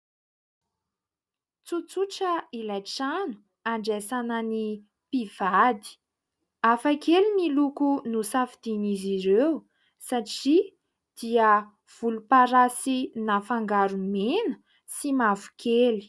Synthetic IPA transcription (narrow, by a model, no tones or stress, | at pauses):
t͡sut͡suʈ͡ʂəilajʈ͡ʂanu̥ | aɳɖ͡ʐesanani | piv̥ad̪i̥ | afakelimilukunusafid̪̥iniziɾew | saʈ͡ʂi | d̪̥iə | v̥ulupaɾasinafaŋɡaɾumenə̥ | simavu̥kʰeli̥